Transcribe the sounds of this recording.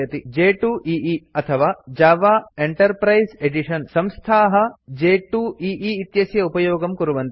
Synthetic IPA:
ɐt̪id͡ʒeːʈuʔiiɐt̪ʰɐʋaːd͡ʒaːʋaːeɳʈɐɾpɾɐjzeɖiʂɐnsɐmst̪ʰaːɦɐ̆d͡ʒeːʈuːiːʔiːt̪jɐsjɐupɐjoːɡɐmkuɾuʋɐnt̪

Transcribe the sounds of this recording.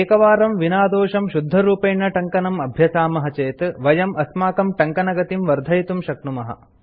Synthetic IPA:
eːkɐʋaːɾɐmʋinaːd̪oːʃɐmʃud̪ʱːɐɾuːpeːɳːɐʈɐŋkɐnɐmɐbʱjɐsaːmɐɦɐt͡ʃeːt̪ʋɐjɐmʔɐsmaːkɐmʈɐŋkɐnɐɡɐt̪imʋɐɾd̪ʱɐjt̪umʃɐknumɐɦɐ̰

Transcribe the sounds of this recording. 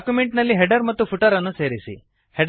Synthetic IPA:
kjumeɳʈnɐlːiːɦeɖəɾmɐt̪ːufuʈəɾɐnːũːseɾisḭ | heɖ

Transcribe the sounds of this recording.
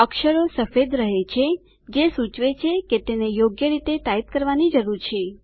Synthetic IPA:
əkʃəɾosəfed̪ɾəɦet͡ʃʰe | d͡ʒesut͡ʃʋet͡ʃʰeket̪enejoɡjəɾit̪eʈ̪ait̪̚kəɾʋanid͡ʒəɾuɾt͡ʃʰe

